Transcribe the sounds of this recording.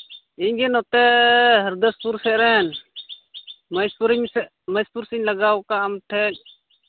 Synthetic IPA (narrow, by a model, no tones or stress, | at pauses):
iɲɡɛnɔt̪ɛɦəɾd̪əspuɾsɛʔɾɛn | məjspuɾɲsɛʔ | məjspuɾsiɲləɡawkaːmʈʰɛʔ̚